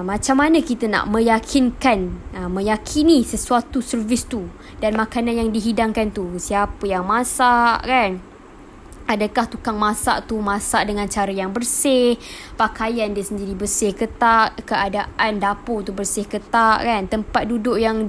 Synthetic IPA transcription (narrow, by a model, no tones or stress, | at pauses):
mãt͡ʃamːanəkit̪əna̰ʔmə̃jakʰinkanəmə̃jakʰinisəsuat̪usərvɪst̪u | danmãkananjaŋdiɦidaŋkant̪usiapəjaŋmãsaʔkan | adəkaht̪ukaŋmãsa̰ʔt̪umãsaʔdəŋãnt͡ʃaɾəjaŋbərsɪhpakajandiəsəndiɾibərsɪhkət̪aʔkəʔadaʔandapot̪̬ubərsɪhkət̪aʔkant̪əmpat̪̚dudʊʔjaŋ